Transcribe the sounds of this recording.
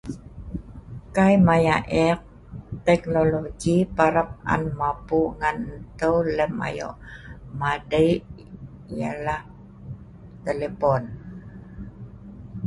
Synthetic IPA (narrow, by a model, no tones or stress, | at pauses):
kajmajaʔɛq̚ | t̪ɛknoloɡipaɾap̚a̰nmapuŋanətəwləma̰jo̰ʔmadəj | jalah | t̪əlepon